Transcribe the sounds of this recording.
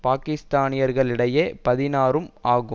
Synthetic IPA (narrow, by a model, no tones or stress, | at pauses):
paːkɪst̪aːnɪjɐɾɣɐɭɪɽɐjeːpɐðɪnaːɾɯmaːɣɯ